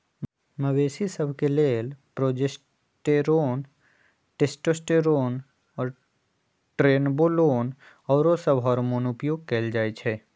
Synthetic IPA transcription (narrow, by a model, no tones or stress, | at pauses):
məweːsisəbʱkeleːlpɾoːd͡ʒes | ʈeːɾoːn | ʈesʈoːsʈeɾoːn | ɔːɾ | ʈɾeːnboːloːn | ɔːɾosəbɦɔːɾmoːnʊpjoːɡ̚keːld͡ʒaːet͡ʃʰɛː